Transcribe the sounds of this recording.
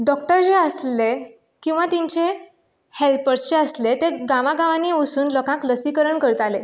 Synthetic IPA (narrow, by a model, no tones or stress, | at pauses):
ɖɔk̚ʈəɾd͡ʑeəsle | kĩw̃ʋat̪iɲt͡ɕe | helpəɾst͡ɕeəslet̪eɡaʋaɡãʋãniːosuːnlɔkãkləsikəɾəɳkəɾt̪ale